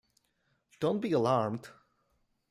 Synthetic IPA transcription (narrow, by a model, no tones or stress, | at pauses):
d̥õʊ̃n̚b̥iəlɑɹmd̥